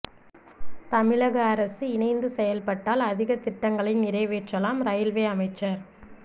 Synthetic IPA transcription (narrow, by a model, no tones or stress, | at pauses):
t̪ɐmɪɭɐɣɐːɾɐsɯɪnɐɪnd̪ɯsɛjɐlpɐʈːaːlɐðɪɣɐt̪ːɪʈːɐŋɡɐɭɪnɪɾɐɪʋeːʈrːɐlaːmɾɐjɪlʋeːɐmɐɪt͡ʃːɐɾ